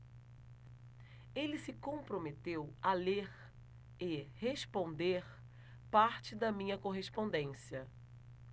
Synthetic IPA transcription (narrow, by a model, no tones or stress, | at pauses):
elɪsɪkõpɾomet̪ewɐleɾ | ɪhespõnd̪eɾ | paɾt͡ʃɪd̪ɐmĩɲɐkoɦespõnd̪ẽsiɐ